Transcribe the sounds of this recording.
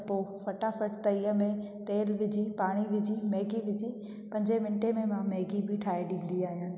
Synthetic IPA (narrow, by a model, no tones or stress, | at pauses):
poːfɐʈafɐʈt̪ɐiːəmẽ | t̪eːlʋɪd͡ʑʱipaːɽ̃iʋɪd͡ʑimeːɡiʋɪd͡ʑʱi | pɐ̃ɲd͡ʑemɪnʈemẽmãmeːɡibʱiʈʰaːeɗĩːn̆d̪iaːɦijãːn̆